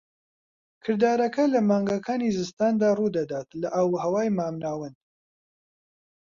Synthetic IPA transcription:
kʰɨɾd̪aːɾɐkɐlɐmaːŋɡɐkʰaːnizɨst̪aːnd̪aːrud̪ɐd̪aːt̪lɐʔawɦɐwaːjmaːmnaːwɨn

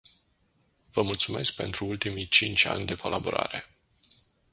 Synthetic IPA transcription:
vəmult̪sume̞sk̚pe̞nt̪ɾuult̪imit͡ʃint͡ʃʲa̰nʲd̪e̞kʰo̞labo̞ɾa̰ɾe̞

